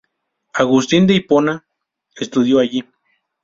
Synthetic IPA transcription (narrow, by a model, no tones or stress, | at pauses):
aɣust̪ind̪eipona | est̪uðjoaji